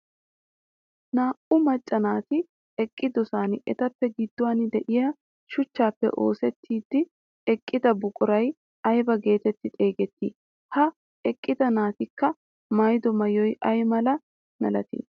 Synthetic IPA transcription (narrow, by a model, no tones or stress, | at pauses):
naːʔʊmɐt͡ʃʼːɐnaːt̪ɪ | ɛkʼːɪd̪ɔsaːnɪʔɛt̪ɐpːɛɡɪd̪ːʊwaːnɪd̪ɛʔɪjɐ | ʃʊt͡ʃːaːpːɛ̰ʔo̞ːsɛt̪ʰːiːd̪ːɪ | ɛkʼːɪd̪ɐbʊkʼʊɾɐj | ɐjbɐɡe̞ːt̪ɛt̪ːɪt̪ʼe̞ːɡɛt̪ːiː | hɐ | ɛkʼːɪd̪ɐnaːt̪ɪkːɐ | mɐjd̪ɔmɐjɔjɐjmɐlɐ | nɐ̰lɐ̰t̪ḭː